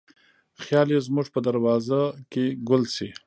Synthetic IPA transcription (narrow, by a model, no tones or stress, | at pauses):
xjɑlezmʊʐpəd̪aɾwɑzakeɡʊlsi